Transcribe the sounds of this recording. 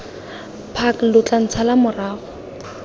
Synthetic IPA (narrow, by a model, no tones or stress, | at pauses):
pʰaklʊt͡ɬʼan̩t͡sʰalamʊraːɣʊ